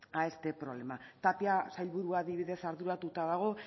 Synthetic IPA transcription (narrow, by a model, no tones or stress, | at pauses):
ae̞st̪e̞pɾo̞βle̞mat̪apiasajlβuɾuaðiβ̞iðe̞saɾðuɾat̪ut̪aðaɣ̞o̞